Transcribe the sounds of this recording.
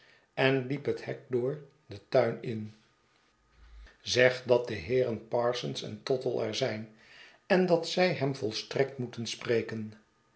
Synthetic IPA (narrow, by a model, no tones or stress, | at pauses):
ɛnlipɦəthɛk̚dʊːɹ | dətaɥnɪn | zɛχdɑt̚dəɦɪːɾənpɑːɹsənsɛ̰ntɔtəlˠɛ̰ɹzɛjn | ɛndɑtsɛjɦɛmvɔlˠstrɛk̚tmutənsprejkən